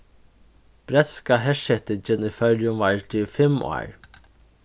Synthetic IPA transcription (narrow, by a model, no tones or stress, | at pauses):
b̥ɾɛt̪skaɦɛʂɛt̪ɪt͡ʃɪnifœɾjʊmvaɹtifɪmʔa̰ːɹ